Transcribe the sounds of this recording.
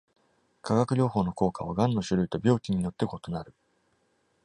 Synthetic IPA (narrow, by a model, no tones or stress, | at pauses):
kʰaɡakɯ̟ɾʲo̞ːho̞ːno̞ko̞ːkaβ̞aɡãnːo̞ɕɨɾɯ̟it̪o̞bʲo̞ːkʲiɲ̟inot̪ːe̞ko̞t̪o̞naɾɯ̟